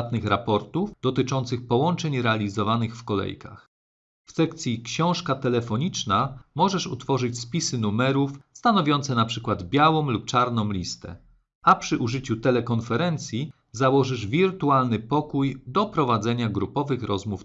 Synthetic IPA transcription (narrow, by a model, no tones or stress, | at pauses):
t̪nɘxɾapɔɾt̪ufd̪̥ɔt̪ɘt͡ʂɔnt̪sɘxpɔwɔnt͡ʂɛɲɾɛalʲizɔvanɘxfkɔlɛ̰jka̰x | fsɛkt̪sʲjikɕɔ̃w̃ʂkat̪ɛlɛfɔɲit͡ʂnamɔʐɛʂṵt̪fɔʐɘt͡ɕspʲisɘnumɛɾufst̪anɔvʲjɔnt̪sɛnapʂɘkwad̪bʲjawɔ̃mlup̚t͡ʂaɾnɔ̃w̃lʲist̪ɛ̰ | apʂɘʔuʐɘt͡ɕut̪ɛlɛkɔnfɛɾɛnt̪sʲji | zawɔʐɘʐvʲiɾt̪ualnɘpɔkujd̪ɔpɾɔvad̪zɛɲaɡɾupɔvɘxɾɔzmuf